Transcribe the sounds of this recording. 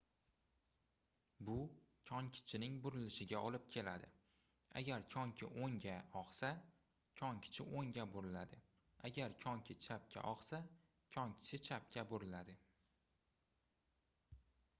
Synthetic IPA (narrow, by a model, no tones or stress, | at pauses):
bʊkʲʰɒŋkʲʰɪ̥t͡ʃʰɪnɪŋbʊɾɪlɪʃɪɡʲaɒlɪp̚kʲʰe̞lad̪ɪ̰ | a̰ɡʲaɾkʲʰɒŋkʲʰɪ̰ʔoŋɡʲaɒqsa | kʲʰɒŋkʲʰɪ̥t͡ʃʰɪʔoŋɡʲaboɾɪlad̪ɪ | aɡʲaɾkʲʰɒŋkʲʰɪt͡ʃʰap̚kʲʰa̰ʔɒqsa | kʲʰɒŋkʲʰɪ̥t͡ʃʰɪt͡ʃʰap̚kʲʰaboɾɪlad̪ɪ